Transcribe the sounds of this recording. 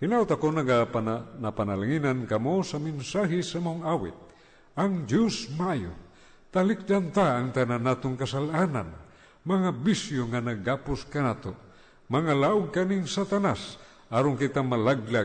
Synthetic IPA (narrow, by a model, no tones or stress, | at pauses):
hinaʊt̪akonaɡapnapanalaŋinankamosaminsaɦisamaoŋawɪ̰t̪̚ | aŋd͡ʒosmaajo̰ | t̪alik̚dant̪aːŋt̪ananat̪oŋkasalʔanan | maŋabisjoŋanaɡapʊskanat̪o | maŋalaʊɡ̚kaniŋsat̪anas | aɾoŋkit̪amalaɡla